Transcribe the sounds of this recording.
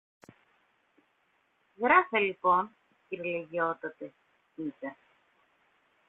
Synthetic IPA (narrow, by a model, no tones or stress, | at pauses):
ɣɾɐfelipo̞n | ciɾleʝiot̪ɐt̪e̞ | itɐ